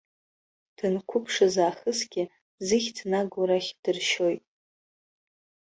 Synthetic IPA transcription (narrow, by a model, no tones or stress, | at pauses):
d̥ɨnkʷʰʊpʰʂazaːχəsɡʲɪ | zɨχʲtʰnaɡaɾaχʲd̥ɨrʃo̞jtʼ